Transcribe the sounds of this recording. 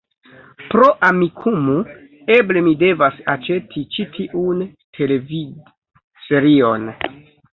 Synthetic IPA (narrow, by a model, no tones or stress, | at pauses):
pɾo̞ʔamikʰumu | e̞blemide̞vasat͡ʃe̞tʰit͡ʃitʰiʔuntʰe̞levi | se̞ɾio̞n